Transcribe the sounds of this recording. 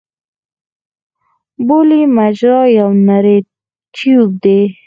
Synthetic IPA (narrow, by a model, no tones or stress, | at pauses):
bolimad͡ʒɾɑjawnaɾe | t̪ʰjub̚d̪e